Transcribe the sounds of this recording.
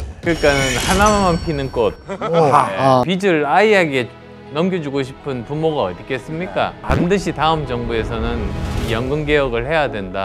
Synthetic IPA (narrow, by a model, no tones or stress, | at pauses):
kɯɾik͈anɯnhanaamanpʰinɯnk͈ot̚ | pid͡ʑɯɭaiaɡe̞ | nʌmɡjʌd͡ʑuɡoɕʰi̥pʰɯnpumoɡaʌtik͈ʰe̞s͈ɯmɲik͈a̰pandɯɕʰitaɯmd͡ʑʌŋbue̞sʰʌnɯnijʌŋɡɯnɡe̞jʌɡɯɭhe̞jadwe̞nda